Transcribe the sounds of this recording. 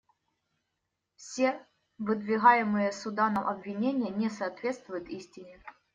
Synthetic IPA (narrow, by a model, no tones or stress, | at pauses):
fsʲe | vɨd̪vʲɪɣajɪmɨjəsʊd̪anəmʔɐbvʲɪnʲenʲɪjənʲɛsɐːt̪vʲe̞t̪st̪vʊjʊt̪isʲtʲɪnʲɪ